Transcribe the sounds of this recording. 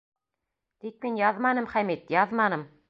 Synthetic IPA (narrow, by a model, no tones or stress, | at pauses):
t̪ik̚minjɑðmɑnɤmχæmit̪jɑðmɑnɤm